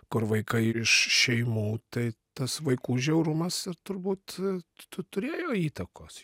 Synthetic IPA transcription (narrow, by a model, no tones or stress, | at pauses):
kʊrʋɐɪkɐɪɪʃʃʲɛɪmuːt̪ɐɪt̪ɐsʋɐɪkuːʒʲɛʊɾʊmɐsɪɾt̪ʊɾbuːt̪t̪ʊt̪ʊɾʲeːjoːiːt̪ɐkoːs